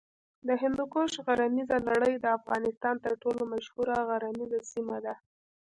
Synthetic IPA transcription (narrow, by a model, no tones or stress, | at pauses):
d̪əɦɪnd̪ukoʃɣaɾanizalaɽəjd̪əafɣɑnɪst̪ɑnt̪əɾʈolomaʃhuɾaɣaɾamizasimad̪a